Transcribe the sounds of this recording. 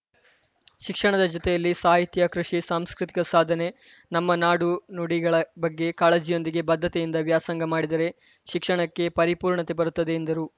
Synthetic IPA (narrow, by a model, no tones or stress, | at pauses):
ʃikʂɐɳɐd̪ɐd͡ʒɔt̪ɛjɐlːisaːɦit̪jɐkɾuʂisaːmskɾit̪i̥kɐsaːd̪ʱɐne̞ | nɐmːɐnaːɽunuɽiɡɐɭɐbɐɡːe̞kaːɭeːd͡ʒijo̞nd̪iɡe̞bɐd̪ʱːɐt̪ejind̪ɐʋjaːsɐŋɡɐmaːɽid̪ɐɾe̞ | ʃikʂɐɳɐkːe̞pɐɾipuːɾɳɐt̪e̞bɐɾut̪ːɐd̪e̞ːnd̪ɐɾu